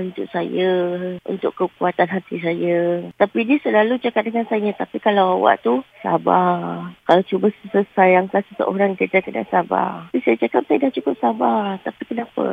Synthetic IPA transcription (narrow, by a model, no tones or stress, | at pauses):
unt̪ʊk̚sajaṵnt̪ʊkəkuat̪anɦat̪is̬ajat̪apidiəsəlalut͡ʃakap̚dəŋansajat̪apikalawawa̰ʔt̪usa̰bakalawt͡ʃubassəsajaŋkansəsə̰ʔo̰ɾaŋkit̪akəda̰saba̰hpisajat͡ʃakap̚sajadaht͡ʃukʊp̚sabat̪apikənapə̰